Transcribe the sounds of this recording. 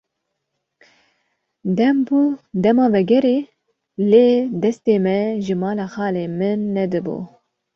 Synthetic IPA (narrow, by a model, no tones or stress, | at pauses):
d̪ɛmbuːd̪ɛmɑːvɛɡɛɾeː | leːd̪ɛst̪eːmɛʒɨmɑːlɑːxɑːleːmɨnːɛd̪ɨbṵː